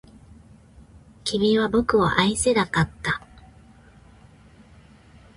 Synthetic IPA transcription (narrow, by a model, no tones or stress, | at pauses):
kʲibʲiβabo̞kɯ̟a̰ʔaise̞nakat̪ːa